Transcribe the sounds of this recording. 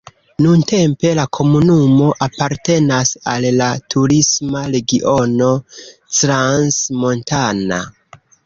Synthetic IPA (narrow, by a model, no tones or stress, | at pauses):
nunte̞mpe̞lakʰo̞munumo̞ʔapaɾte̞nasalːatʰuɾismaɾe̞ɡiʔo̞no̞tɾansmo̞ntana̰